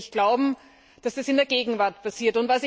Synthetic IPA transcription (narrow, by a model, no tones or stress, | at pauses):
çɡ̥laʊbm̩ | d̥asd̥asɪndeːɐɡeːɡŋ̩vaɐt̚pʰasiːɐtʊntvasɪ